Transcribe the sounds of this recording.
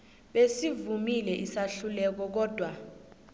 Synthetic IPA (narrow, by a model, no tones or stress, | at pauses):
ɓesivumilɛʔisaɬulɛk̬ɔk̬ɔːd̥ʱwa